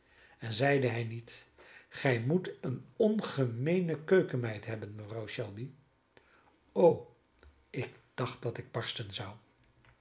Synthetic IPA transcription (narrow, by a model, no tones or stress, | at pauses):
ɛnzɛjdəɦɛjnitχɛjmutənɔnχəmejnəkøɥkənmɛjtɦɛbənməvrɑwʃɛlˠbi | ow | ɪkd̥ɑχt̚dɑtɪɡ̚bɑɹstənzɑw